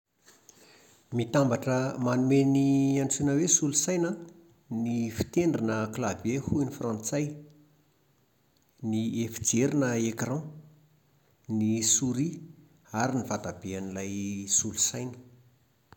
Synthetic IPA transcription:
mit̪ambaʈ͡ʂəmanumeniãnt͡sunəwesulusajnə | nifi̥t̪eɳɖ͡ʐinəklavehunifrãnt͡saj | niefid͡ʒeɾinəekrɑ̃ | nisuɾi | aɾinivat̪ab̥eanilajsulusajnə̥

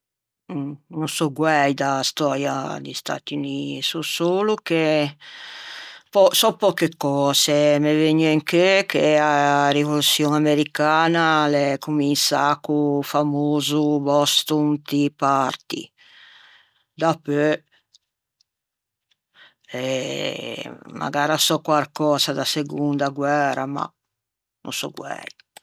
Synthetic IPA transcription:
nunsɔɡwɛjd̪ast̪ɔːɾja̰d̪ist̪a̰t̪uniːsusoːluke | pɔsɔpːɔkekːɔːzemeveɲːeŋkekearivolut̪sjoŋameɾikaːnalɛkuminsa̰kːufamoːzubɔst̪unt̪ipart̪ḭ | d̪apø | ɛ | ma̰ɡaːɾasɔkːwaɾkɔːsad̪aseɡund̪aɡwɛːɾa̰ma̰ | nṵnsɔ̰ɡwɛ̰ɾ

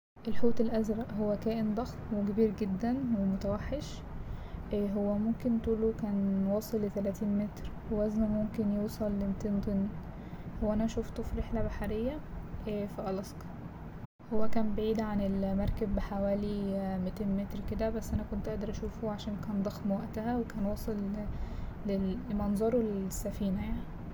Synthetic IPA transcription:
ʔelħoːt̪elʔæzɾˤɑʔɦowːækæːʔend̪ˤɑxmweɡebiːɾɡed̪ːænwemot̪æwæħːeʃ | ɦowːæmomkent̪uːlokæːnwɑːsˤelːet̪ælæt̪iːnmet̪ɾwewæznæmomkenjuwsˤɑlːemt̪eːnt̪ˤen | howæʔænæʔæʃuːft̪ˤuːfɾeħlæbaħaɾejːæʔæːfiʔɑlɑskɑ̥ | howːækæːmbeʕiːd̪ʕanelmɑɾˤkæbːħawæːlimit̪eːnmet̪ɾked̪æbæsːʔænækont̪ʔæʔd̪ɑɾˤʔæʃuːfoʕaʃæːnkæːnd̪ˤɑxmwæʔt̪æhæwekæːnwɑːsˤelː | emɑnzˤɑɾˤolesːæfiːnæjaʕni

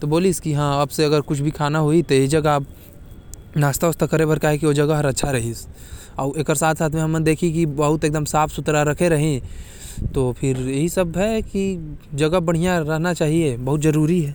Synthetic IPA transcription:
t̪oboːliskiɦãːɐbseɐɡəɾkʊt͡ʃʰbʱikʰaːnaɦoit̪ojeɦid͡ʒɐɡab | naːst̪aʊst̪akɐɾebɐɾkaɦekiʋod͡ʒɐɡəɦəɾɐtːʃʰaɾɐɦis | ɔːeːkəɾsaːt̪ʰsaːt̪ʰmẽɦɐmːəd̪eːkʰik̬ibɐɦʊt̪eːk̚d̪əmsaːfʰsʊt̪ɾaɾɐkʰeɾɐɦẽ | t̪oːpʰɪɾjɐɦisəbɦɛkid͡ʒɐɡəbɐɽ̤ijaɾɐɦnat͡ʃaːɦiebɐɦʊt̪d͡ʒɐɾuːɾiɦɛː

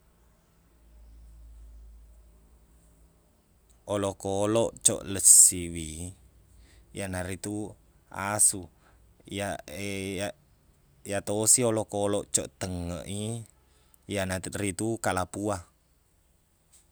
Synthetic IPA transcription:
olokoloʔt͡ʃɔ̰ʔləsiwi | janaɾit̪u | a̰su | a | jat̪osiolokoloʔt͡ʃɔ̰ʔt̪əŋə̰ʔi | janarit̪ukalapua

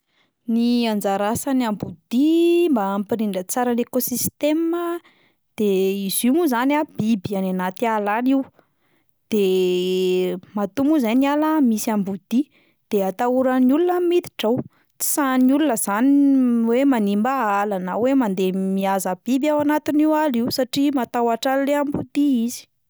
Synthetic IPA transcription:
niand͡zaɾasanambud̪imbaːmpiɾiɳɖ͡ʐət͡saɾanekosist̪emə | d̪̥eizimuzanab̥ibiananat̪ialaniu | d̪̥e | mat̪umuzajnialamisiambud̪̥i | d̪̥eat̪auɾəniulunəmit̪i̥ʈ͡ʂaw | t͡si̥sanulunəz̥aniwemanimbaalanawemand̪emiazəb̥ibjawanat̪iniwaliwsaʈ͡ʂimat̪awaʈ͡ʂalleambud̪iizi̥

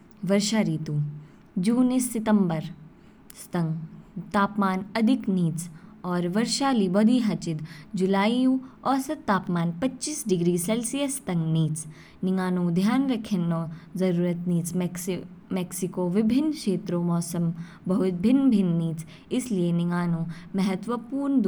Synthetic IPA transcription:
ʋɐɾʃaːɾiːt̪u | d͡ʒuːnisːɪt̪əmbəɾ | st̪ɐ̃ŋɡt̪aːpmaːnɐd̪ʱɪkniːt͡sɔːɾʋɐɾʃaːlibɔd̪ʱiːɦɐt͡ʃɪt̪d͡ʒʊlaːijũːɔːsɐt̪t̪ːaːpmaːnpɐtːt͡ʃiːsɖɪɡɾiːselsijəst̪ɐ̃ŋɡniːt͡s | nɪŋaːnõːd̪ʱjaːnɾɐkʰɪnoːzɐɾuːɾət̪niːt͡ʃ | mɛksɪkoːʋɪbʱɪnːkʃeːt̪ɾoːmɔːsəm | bɐɦʊt̪̚bʱɪnːbʱɪnːiːt͡s | ɪslienɪŋɡaːnõːmɛɦət̪wəpuːɾnd̪

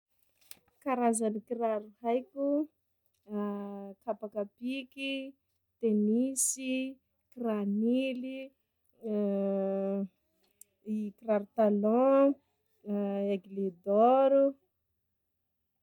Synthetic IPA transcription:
kaɾazanikiɾaɾuhajkʲu | kapakapiki | t̪enisi | kiranili | ikiraɾut̪alɔ̃ | eɡled̪ɔɾu

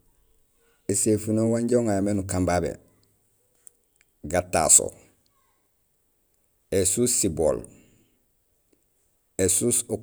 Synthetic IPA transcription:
esefunowaɲɟoŋajamenukambabḛ | ɡatːa̰so̰ | esussibo̰l | esuːso

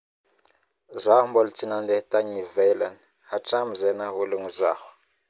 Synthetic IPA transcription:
zʷahmbɔlt͡sʰinand̪ɛtaɲivɛlan | hat͡ʃamzɛnaɦuluŋzahu

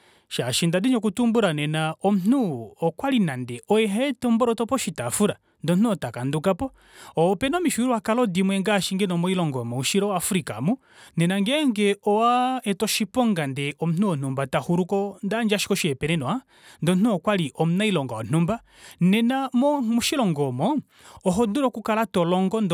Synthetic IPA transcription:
ʃaʃindadiɲɔkutumbuɾanɛnaɔm̩nuɔkwalinandɛʔɔɛɦaɛtɔmbɔɾɔtɔpɔʃitafuɾa | ndɔnn̥uɔtakandukapɔ | ɔpɛnɔmiʃuiɾuwakalɔdimwɛŋɡaʃiŋɡɛnɔmɔilɔŋɡɔmɔuʃiɾɔwafuɾika̰mu | nɛnaŋɡɛɛŋɡɛɔwaɛtɔʃipɔŋɡandɛʔɔm̩un̥uɔn̥umbatahuɾukɔndand͡ʒaʃi̥kɔʃiɛpɛnɛnɔa | ndɔnnuɔkwaliʔɔmunailɔŋɡaɔn̥umba | nɛnamɔmuʃilɔŋɡɔmɔ | ɔɦɔduɾɔkukalatɔlɔŋɡɔndɔ

